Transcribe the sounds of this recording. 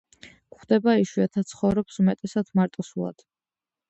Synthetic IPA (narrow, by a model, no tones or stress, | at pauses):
kχd̪ɛbaiʃwiat̪ʰat̪sʰχɔvɾɔpsumɛt̪ʼɛsat̪ʰmaɾt̪ʼɔsulˠa̰d̪̥